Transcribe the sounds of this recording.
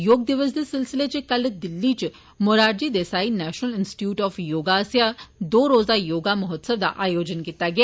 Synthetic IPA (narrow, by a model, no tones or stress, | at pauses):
joːɡ̚d̪ɪʋəsd̪esɪlsɪlet͡ʃekɐld̪ɪlːit͡ʃ | mʊɾaːɾd͡ʒid̪eːsaːinɛːʃnəlɪ̃nsʈɪ̥ʈjuːʈɔːfjoːɡaːsjad̪oːɾoːzajoːɡamʊɦət̪səʋd̪a̰ʔaːjoːd͡ʒənkit̪aɡea